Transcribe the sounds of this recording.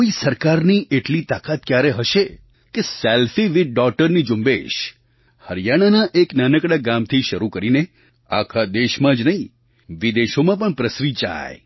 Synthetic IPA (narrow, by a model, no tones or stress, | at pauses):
oisəɾkaɾniʔeʈlit̪akat̪̚kjaɾeɦəʃe | keselfiʋiɖ̚ɖɔk̚ʈəɾnid͡ʒumbḛʃ | həɾjaɽ̃anaʔeknanəkɽaɡamt̪ʰiʃəɾukəɾine | a̰kʰad̪eʃmãd͡ʒnəɦĩ | ʋid̪eʃomãpəɳpɾəsɾit͡ʃa̰j